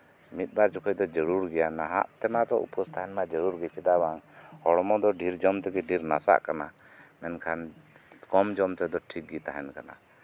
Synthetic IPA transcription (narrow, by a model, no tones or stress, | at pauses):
mit̪̚ˀbaɾd͡ʒɔkʰɔc̚d̪ɔd͡ʒəɾuɾɡɛjanaɦa̰ʔt̪ɛmat̪ɔṵpɔst̪aɦɛnmad͡ʒəɾuɾɡɛt͡ʃɛd̪abaŋhɔɽɔmɔd̪ɔɖʱiɾd͡ʒɔmt̪ɛɡɛɖʱiɾnasa̰ʔkana | mɛnkʰan | kɔmd͡ʒɔmt̪ɛd̪ɔʈʰik̚ɡit̪aɦɛnkana̰